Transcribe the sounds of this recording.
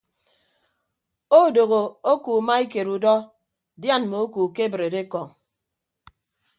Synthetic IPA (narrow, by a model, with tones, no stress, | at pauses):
o˦˨do˨ɣo˨o˦ku˨ma˦i˦ke˨ɾu˨dɔ˦ | dja˦˨nmo˨o˦ku˨ke˦bɾe˨de˦kɔ˨ŋ